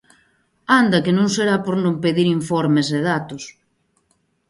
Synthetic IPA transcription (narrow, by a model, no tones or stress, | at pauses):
and̪ɐkɪnõŋseɾapoɾnõŋpeðiɾiɱfɔɾmeseðat̪ʊs